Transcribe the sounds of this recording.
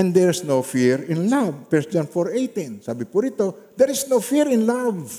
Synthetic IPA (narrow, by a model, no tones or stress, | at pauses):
ʔɛ̃nd̪ɛɹsnowfiɹɪ̃nlavfɛɹsd͡ʒãnfɔɹʔejt̪ĩnsaːbɪpʊɾit̪od̪ɛɹɪsnowfiɹɪ̃nlav